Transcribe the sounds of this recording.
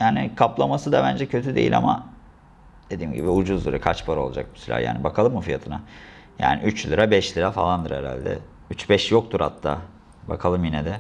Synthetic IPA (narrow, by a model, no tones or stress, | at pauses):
jaːnɪkʰaplˠamasɯd̪abænd͡ʒɛcʰø̞t̪ʰyd̪ḛḭlʲa̰ma̰ | d̪̥e̞d̪iːmɟibiud͡ʒuzlˠɯɾakʰat͡ʃpʰaɾol̰ˠd͡ʒa̰k̚mi̥sylʲa̰ːja̰ːnibakʰalˠɯmːufijat̪ʰɯna | ja̰ːnɪ̰ʔyt͡ʃlʲˠɯɾabɛʃlʲiɾafalˠand̪ɯɾeɾa̰lʲd̪ɛ̰ | yt͡ʃbɛʃjo̞k̚t̪ʰuɾha̰t̪ʰːa̰ː | bakʰalˠɯmjinɛd̪ɛ